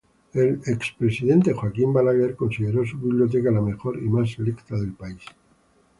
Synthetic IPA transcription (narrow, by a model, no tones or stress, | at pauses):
e̞lekspɾe̞siðe̞nt̪e̞xwakimbalaɣeɾko̞nsiðe̞ɾo̞suβiβljo̞t̪̬e̞kalame̞xo̞ɾimaselekt̪aðe̞lpais